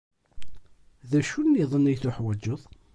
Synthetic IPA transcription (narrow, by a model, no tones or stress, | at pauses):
ðæʃunːiðˤənːijθʊħwæd͡ʒːəðˤ